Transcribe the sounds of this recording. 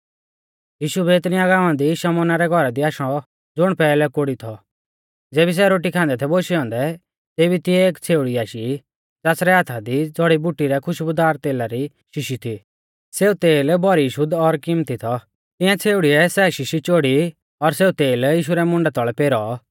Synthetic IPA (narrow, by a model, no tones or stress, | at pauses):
jiːʃubɛɪt̪ñiaɡaːʋãnd̪iʃɔmɔːnaɾɛɡʱɔɾad̪iaːʃɔ̃ | d͡zʊɽ̃pɛːlɛkoɽit̪ʰɔ | d͡zeːbis̬ɛɾoːʈ̬ikʰãːnd̪ɛt̪ʰɛboʃiɔ̃ːnd̪ɛ | t̪eːbit̪ɪɛeːkt͡sʰeːuɽiaːʃi | t͡saːsɾɛɦat̪ʰad̪id͡zɔɽibuʈːiɾɛkʰʊʃbʊd̪aːɾt̪eːlaɾi | ʃɪʃit̪ʰi | seːut̪eːlbɔɾiʃʊd̪ɔɾkɪmt̪it̪ʰɔ | t̪ɪ̃jãt͡sʰeːuɽiɛsɛʃɪʃit͡ʃoːɽi | ɔɾseːut̪eːljiːʃ̬uɾɛmʊ̃ɳɖat̪ɔɭɛpeːɾɔ